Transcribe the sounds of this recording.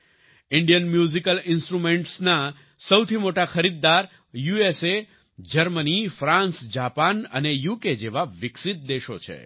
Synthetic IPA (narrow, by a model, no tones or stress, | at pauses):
ɪɳɖijənmjuzikəlɪnsʈɾumẽɳʈsna | səwt̪ʰimoʈaxʰəɾid̪ːaɾ | juese | d͡ʒəɾmənifɾãnsd͡ʒapanə̰nejuked͡ʒeʋaʋɪksɪt̪̚d̪eʃo̰t͡ʃʰḛ